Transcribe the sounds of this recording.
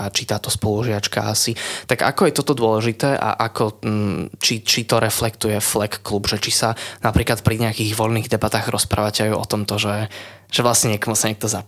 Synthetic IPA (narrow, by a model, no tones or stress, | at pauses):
at͡ʃit̪aːt̪ɔspɔluʒɪat͡ʃka̰asit̪aɡa̰kɔjɛt̪ɔt̪ɔd̪ʊɔlɛʒit̪ɛːʔa̰ʔakʰɔ | t͡ʃit͡ʃit̪ɔɾɛflɛkt̪ujɛflɛkːlubʒɛt͡ʃisanapɾiːklat̪̚pɾiɲɛakiːɣʋɔlniːɣd̪ɛbat̪aːɣɾɔspɾʔa̰ːʋacɛajuʔɔ̰t̪ɔmt̪ɔʒɛ | ʒ̥ɛʋlasɲɛɲɛkɔmɔsaɲɛk̚t̪ɔza